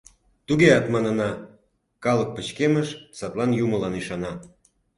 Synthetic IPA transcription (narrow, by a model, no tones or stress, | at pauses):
t̪uɣeɑt̪mɑnə̆nɑ | kɑlək̚pə̆t͡ɕkeməʃsɑt̪lɑnjuməlɑniʃɑnɑ